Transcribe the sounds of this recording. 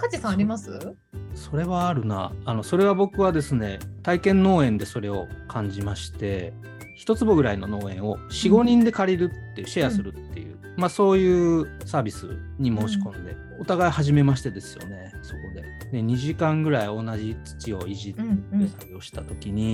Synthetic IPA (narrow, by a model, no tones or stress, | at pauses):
kat͡ɕisãaɾʲimasɨ | so̞ɾe̞βaːɾɯ̟na̰ːno̞so̞ɾe̞β̞abo̞kɯ̟βad̪e̞sɨne̞t̪aikẽ̞nːo̞ːẽ̞nd̪e̞so̞ɾe̞o̞kʰãɲ̟d͡ʑimaɕi̥t̪e̞ | çi̥t̪o̞t͡sɨbo̞ɡɯ̟ɾaino̞no̞ːẽ̞ɰ̃oɕiɡo̞ɲ̟ĩnd̪e̞kaɾʲiɾɯ̟t̪ːeɕejasɨɾɯ̟t̪ːe̞̰jɯ̟̰ː | maso̞ːjɯ̟ːsaːbʲisɨ̰ɲ̟imo̞ːɕi̥kõ̞nd̪e̞̰ | ot̪aɡaihaʑime̞maɕi̥t̪e̞d̪e̞sɨ̥jo̞̰ne̞so̞ko̞d̪e̞d̪e̞ɲ̟iʑikãŋɡɯ̟ɾaio̞naʑit͡sɨ̥t͡ɕio̞̰iʑit̪esaio̞ɕi̥t̪at̪o̞kʲiɲ̟i